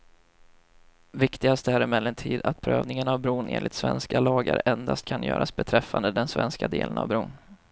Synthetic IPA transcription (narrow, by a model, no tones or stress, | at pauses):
vɪkt̪ɪɡast̪ɛæːɾɛmɛlɛnt̪ʰiːd̪at̪̚pʰɾøːvnɪŋənavbɾuːnʔeːnlɪt̪svɛnskalɑːɡaɾɛnd̪ast̪̚kʰanjœ̰ːɾʔasbɛt̪ʰɾɛfːand̪əd̪ɛnsvɛnskad̪eːləna̰vbɾuːn